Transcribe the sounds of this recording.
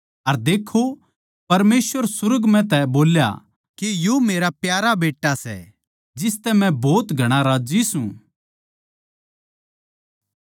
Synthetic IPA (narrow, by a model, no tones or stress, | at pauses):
ɐɾd̪eːkʰːo | pɐɾmeːsʋəɾsʊɾʊɡmɛ̃t̪̬ɛboːlja̰ | kijoːmeːɾapjaːɾabeːʈːasɛ̰ | d͡ʒɪst̪ɛmɛ̃bɔːt̪ɡʱɐɽ̃aɾaːd͡ʒisũ